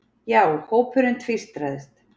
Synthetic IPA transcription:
jaːwɛɾhoːwpʰʏɾʏnt̪ʰvist̪ɾaðɪst̪

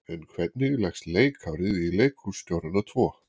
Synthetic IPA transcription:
ɛnkʰvɛt̪̚nɪɣlɛxst̪leːjkʰawɾɪðileːjkʰust̪jowɾʏnat̪ʰvɔː

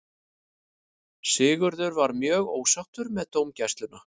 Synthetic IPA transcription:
sɪːɣʏɾðʏɾvaɾmjœːɣoːwsawht̪ʏɾmɛðt̪oːwmcɛst̪lʏnʏ

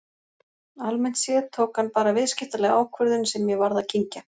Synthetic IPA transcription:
almɛn̥t̪sjɛðt̪ʰoːwkhanːpaːɾavɪðscɪht̪alɛɣaːwkʰvœɾðʏnsɛmːjɛvaɾðacʰiɲca

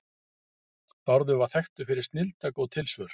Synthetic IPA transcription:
pɔɾðʏvaθɛxt̪ʏfɪɾɪɾ̥st̪nɪlt̪akɔwt̪ʰɪlsvœɾ̥

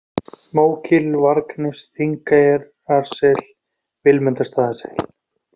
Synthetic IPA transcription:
moːwcʰɪlvaɾknɪsθiŋkajɛɾ | aɾ̥sɛl̥ | vɪlmʏnt̪ast̪aːðasɛ̰l̥

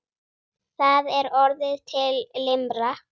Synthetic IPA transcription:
θaðɛɾɔɾðɪðt̪ʰɪlːɪmɾa

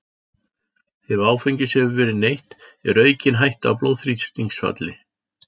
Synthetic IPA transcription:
θɛvaːwfejɲcɪsɛʏvɛːɾɪnejht̪ɛɾœːɥcɪnɦajht̪a̰wplowðθɾit̪st̪iŋksva̰t̪lɪ

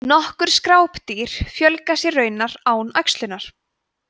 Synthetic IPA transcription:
nɔhkʏɾ̥skɾaːwpt̪iːɾ̥fjœlkasjɛrœːɥnaɾaːwnaɥkst̪lʏnaɾ̥

